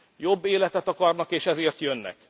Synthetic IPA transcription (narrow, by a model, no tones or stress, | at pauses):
jo̞bːeːlɛt̪ɛt̪ɒkɒrnɒkeːʃɛzeːrt̪jønːɛ̰k